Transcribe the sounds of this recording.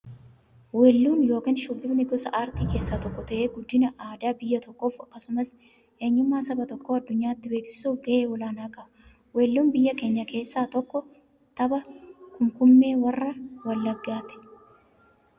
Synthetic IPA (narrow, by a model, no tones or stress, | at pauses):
weːlːuːnjo̞ːkiːnʃʊbːɪbnɪɡɔsɐʔaːɾt̪iːke̞ːsːaːt̪ɔkːɔt̪ɐʔeːɡʊd̪ːɪnɐʔaːd̪aːbɪjːɐt̪ɔkːo̞ːfɐkːɐsʊmɐs | ʔe̞ːɲːʊmːaːsɐbɐt̪ɔkːoːɐd̪ːʊɲːaːɪt̪ːɪbe̞ːksɪ̥suːfɡɐʔeːwɔlaːnaːkʼɐʔɐ | weːlːuːnbɪjːɐke̞ːɲːɐke̞ːsːaːt̪ɔkːɔ | t̪ɐbɐkʊmkʊmːe̞ːwɐrːɐwɐlːɐɡːaːt̪ɛ̥